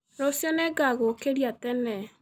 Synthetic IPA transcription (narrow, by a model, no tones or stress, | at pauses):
ɾosjɔnɛɡaɣokeɾjatɛnɛ